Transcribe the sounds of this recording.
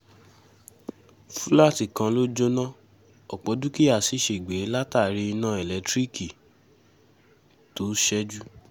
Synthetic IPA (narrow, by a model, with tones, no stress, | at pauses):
fũ˦la˦ti˦˨kã˧lo˦d͡ʒo˦nã˦ | ɔ˨k͡pɔ˨˦du˦ki˦a˦˨si˨˦ʃe˨i˨ɡ͡be˨˦la˦ta˦˨ɾi˧i˧nã˦ɛ˨lɛ˨˦tɾi˦ki˨ | to˨˦ʃɛ˦d͡ʒu˦